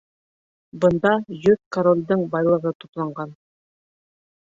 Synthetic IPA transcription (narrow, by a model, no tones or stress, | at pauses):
bɤ̆nd̪ɑjɵðkoɾolʲd̪ɤɴbɑjlˠɤ̆ʁɤt̪uplˠɑɴɢɑn